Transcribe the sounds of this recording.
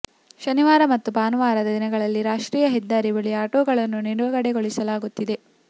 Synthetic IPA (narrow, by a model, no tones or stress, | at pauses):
ʃɐniʋaːɾɐmɐt̪ːupaːnuʋaːɾɐd̪ɐd̪inɐɡɐɭɐlːiɾaːʂʈɾiːjɐɦɛd̪ːaːɾibɐɭiaːʈoːɡɐɭɐnːuniɽuʋɐɡɐɽeɡoɭisɐlaːɡut̪ːid̪e̞